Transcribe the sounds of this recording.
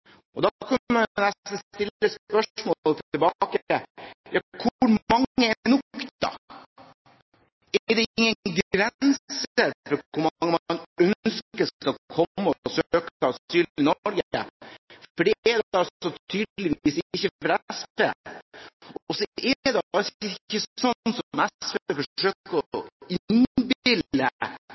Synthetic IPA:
ɔd̪ɑkʰɑnːənɛsn̩t̪ɪlːəspœʂmoːlt̪t̪ɪlbɑkəjɑːkʰʊɾmɑŋːəɛnʊkt̪ɑ̰ | ɛɖ̪ɛɪŋːənɡɾɛsəɾfɔɾkʰʊɾmɑŋːəmnœnskəskɑlkʰɔmːəɔsøøːkt̪ɑsyːlɪnɔɾɡə | fɔɖɛɛdɑɔt̪ʰyːd̪əlɪʋiːsɪçːəfɾɛspḛː | ɔsɔʔɛd̪ɛɑɪçːəsɔnːsɔmɛspefɔʂøːkəɔɪnbɪlːə̰

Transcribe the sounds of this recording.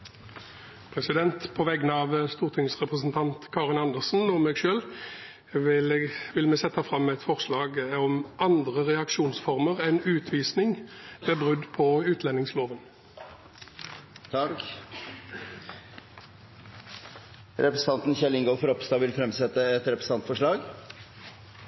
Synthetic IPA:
pʰʁɛsɪd̪ɛnt̪pʰɔʋɛɡənɑːʋəst̪uːʁt̪ʰɪŋsʁɛpʁəsn̩t̪ʰɑnt̪kʰɑːʁɪnɑnd̪əʁsn̩ɔmeːɡʃøːl | ʋɪʋɪlmɛsɛt̪ːɑfʁɑmːɛt̪fɔʁslɑːɡɔmʔɑnd̪ʁəʁɛɑkʃuːnsfɔʁməʁɛnʉːt̪ʰʋiːsnɪŋʋeːbʁʉd̪pʰɔʉːt̪ʰlɛnːɪŋsloːʋən | t̪ʰɑɾk | ɾɛpɾəsn̩ɑnt̪nçɛlɪŋɡɔfɔɾɔpst̪ɑːʋɪlfɾɛmsɛt̪ːəɛt̪ɾɛpɾəsn̩ɑnt̪fɔʂɭɑːɡ

